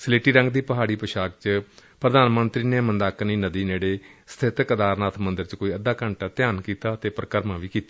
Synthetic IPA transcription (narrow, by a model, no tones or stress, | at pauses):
səleːʈiːɾə̃ŋɡd̪iːpəɦaːɽiːpəʃaːk̚t͡ʃpɾəd̪aːnmənt̪ɾiːneːmənd̪aːkniːnəd̪iːneːɽeːsə̥t̪ʰɪt̪kəd̪aːɾnaːt̪ʰmənd̪əɾt͡ʃkoːiːəd̪aːkəɳʈaːt̪ɪjaːnkiːt̪aːt̪eːpɾəkəɾmãːʋiːkiːt̪ḁ